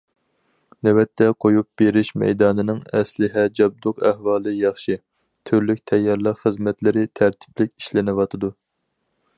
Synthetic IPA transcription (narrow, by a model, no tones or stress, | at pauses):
nɛwɛt̪ʰːɛqʰojup̚b̥eɾɪʃmɛ̰jd̪ɑːnɨnɨŋɛslɪɦɛd͡ʒɑb̚d̪ʊqæhwɑːlˠɨjɑχʃi | t̪ʰyɾlykʲt̪ʰɛjːɑɾlˠəqχəzmɛt̪lɪɾɪt̪ʰæɾt̪ʰɪ̥plɪkʲiʃlɪnɪwɑt̪ʰɨd̪u